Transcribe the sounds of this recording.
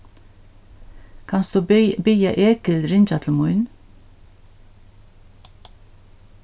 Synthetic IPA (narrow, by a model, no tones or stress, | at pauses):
kʰɑnsd̪ʉːbʏjɑʔeːkəlɾɪnt͡ʃɑt̪ʰl̩mʊʏn